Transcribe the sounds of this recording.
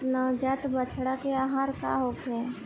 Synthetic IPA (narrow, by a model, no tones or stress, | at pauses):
nəd͡ʒat̪bət͡ʃʰɽakeaɦaɾka̰ɦoke